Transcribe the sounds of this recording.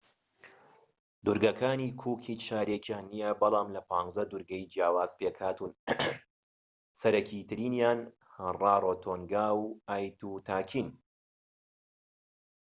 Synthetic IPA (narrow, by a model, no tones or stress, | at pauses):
d̪uɾɡɐkʰaːniːkʰuːkʰiːt͡ʃaːɾekʰjaːnːijɐbɨlˠɑːmlɐpʰaːnzɐd̪uɾɡɐjd͡ʒjaːwaːz̥pekʰaːt̪un | sɐɾɐkʰit̪ɨɾiːnjaːn | hɐrɑːɾot̪ʰoːŋɡaːwaːjt̪uːt̪ʰaːkʰiːn